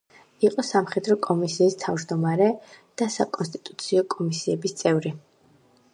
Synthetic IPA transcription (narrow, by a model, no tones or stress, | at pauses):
iqʼɔsamχɛd̪ɾɔkʼɔmisiːst̪ʰavd͡ʒd̪ɔmaɾɛd̪̥asakʼɔnst̪ʼit̪ʼut̪sʰiɔkʼɔmisiɛbist̪sʼɛvɾi